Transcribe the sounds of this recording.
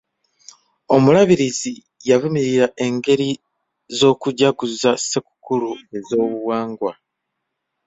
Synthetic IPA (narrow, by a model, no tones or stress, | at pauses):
o̞mulaβiɾizi | javumiɾiɾaʔe̞ŋɡe̞ɾi | zo̞ːkuɟaɡuzaseku̥kulue̞zo̞ːβuβwaːŋɡwa